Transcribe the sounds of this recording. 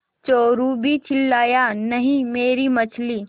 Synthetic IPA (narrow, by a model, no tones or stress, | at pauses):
t͡ʃoːɾubʱit͡ʃʰɪlːaːjanɐɦĩmeːɾimɐt͡ʃʰliː